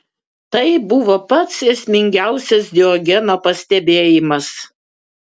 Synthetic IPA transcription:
t̪ɐɪbʊʋoːpɐt̪seːsʲmʲɪŋʲɡʲæˑʊsʲɛsd̪ʲɪɔɡʲɛnoːpɐsʲt̪ʲɛbʲeːjɪmɐs

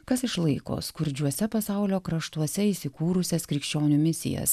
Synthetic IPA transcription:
kɐsɪʃlˠɐɪko̰ːskʊɾʲd͡ʒʲuɔsʲɛpɐsɐˑʊlʲoːkɾɐʃt̪uɔsʲɛiːsʲɪkuːɾʊsʲɛskɾʲɪkʃʲt͡ʃʲoːnʲʊmʲɪsʲɪ̰jɛ̰s

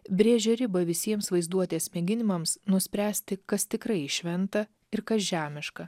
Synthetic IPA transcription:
bʲɾʲeːʒʲɛɾʲɪbɐʋʲɪsʲiɛmsʋɐɪzd̪uɔt̪ʲeːsmʲɛɡʲɪnʲɪmɐmsnʊsʲpʲɾʲæːsʲt̪ʲɪkɐst̪ʲɪkɾɐɪɪʃʲʋʲɛnt̪ɐ | ɪɾkɐsʒʲæːmʲɪʃkɐ

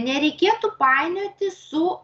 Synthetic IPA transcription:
nʲɛɾʲɛɪkʲeːt̪ʊpɑɪnʲot̪ʲɪsʊ

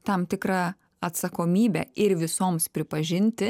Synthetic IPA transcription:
t̪ɐmt̪ʲɪkɾɑ | ɐt̪sɐkoːmʲiːbʲɛ̰ɪɾʋʲɪsoːmspʲɾʲɪpɐʒʲɪnʲt̪ʲɪ

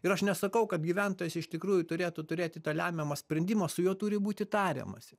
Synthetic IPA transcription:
ɪɾɐʃnʲɛsɐkɐʊkɐt̪ɡʲiʋʲɛnt̪oːjɛsʲɪʃt̪ʲɪkɾuːjʊt̪ʊɾʲeːt̪ut̪ʊɾʲeːt̪ʲɪt̪ɐːlʲæːmʲɛmɐsʲpʲɾʲɛnʲd̪ʲimɐsʊjuɔt̪uːɾʲɪbuːt̪ʲɪt̪ɑːɾʲḛmɐ̰sʲɪ

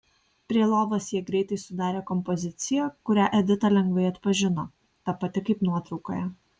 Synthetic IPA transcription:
pʲɾʲiɛlˠoːʋoːsjiɛɡɾʲɛɪt̪ɐɪsʊd̪ɑːɾʲeːkɔmpɔzʲɪt̪sʲɪjɛkʊɾʲæːʔɛd̪ʲɪt̪ɐlʲɛŋɡʋɐɪɐt̪pɐʒʲɪno̰ː | t̪ɐpɐt̪ʲɪkɐɪpnuɔt̪ɾɒʊko̰ːjɛ

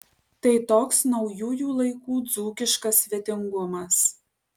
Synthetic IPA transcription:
t̪ɐɪt̪oːksnɒʊjuːjuːlˠɐɪkuːd̪zuːkʲɪʃkɐsʲʋʲɛt̪ʲɪŋɡʊmɐs

